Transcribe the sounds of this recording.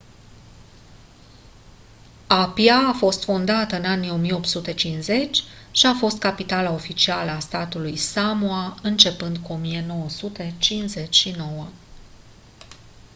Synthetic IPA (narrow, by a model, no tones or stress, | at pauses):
apiaːfo̞st̪fond̪at̪əɨnanijo̞mijeo̞pt̪sut̪e̞t͡ʃinze̞t͡ʃʲ | ʃiafo̞st̪̚kapit̪alao̞fit͡ʃialəast̪at̪ulujsamuaɨnt͡ʃe̞pɨnd̪kuo̞mije̞no̞wəsut̪e̞t͡ʃinze̞t͡ʃʲʃino̞wə